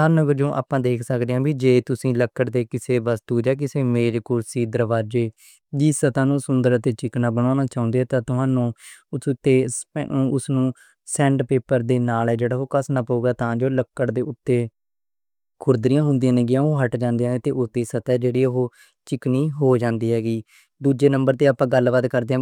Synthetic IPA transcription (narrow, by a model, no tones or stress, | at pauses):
əɾnəɡəɾd͡ʒõːʔa̰ːpãːd̪eːkʰsəkd̪eãːbiːd͡ʒeːt̪ʊsĩːləkːəɽd̪eːkɪseːbəst̪uːd͡ʒɛːk̬ɪseːmeːɾkʊɾsiːd̪əɾʋaːd͡ʒeː | d͡ʒisət̪aːnũːsʊnd̪əɾət̪eːt͡ʃɪknaːbənoːnaːt͡ʃaːʊ̃nd̪eːɛːt̪ãːt̪ʊɦaːnũːʊsʊt̪ːeːsːʊsnũː | sɛ̃ːɳɖpeːpəɾd̪eːnaːlɛːd͡ʒeːɽaːɦoːkəsnaːpəuːɡaːt̪ãːd͡ʒoːləkːəɽd̪eːʊt̪ːeː | kʰʊɾd̪ɾɪjãːɦʊnd̪ijãːnẽːɡɪjãːõːɦəʈd͡ʒãːnd̪iãːnẽːt̪eːʔʊt̪eːsət̪ɛːd͡ʒeːɽiːɦoː | t͡ʃɪkniːɦoːd͡ʒãːnd̪iːɦɛːɡiː | d̪uːd͡ʒeːnəmbəɾt̪eːaːpːãːɡəlʋəd̪kəɾd̪eãː